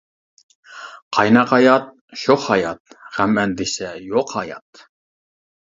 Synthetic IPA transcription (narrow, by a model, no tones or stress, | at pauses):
qʰɑjnɑqɑjɑt̪̚ | ʃoχhɑjɑt̪̚ʁæmɛnd̪ɪsɛjoqhɑjɑ̰t̪